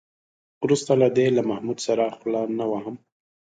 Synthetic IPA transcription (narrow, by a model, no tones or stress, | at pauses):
ɾust̪alad̪elamahmud̪saɾaxlanawaɦəm